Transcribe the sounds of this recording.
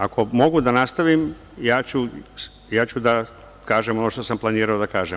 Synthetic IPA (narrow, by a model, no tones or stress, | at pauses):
akʰo̞mo̞ɡud̪anast̪aʋim | jaːt͡ɕu | jaːt͡ɕud̪a | kaːʒemo̞noʃt̪o̞samplˠaniːɾaod̪akaːʒe